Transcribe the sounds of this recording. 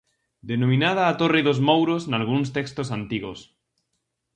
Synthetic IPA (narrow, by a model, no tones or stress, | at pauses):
d̪enomĩnað̞aːt̪oriðozmowɾoznalɣ̞uns̬t̪ekst̪osant̪iɣos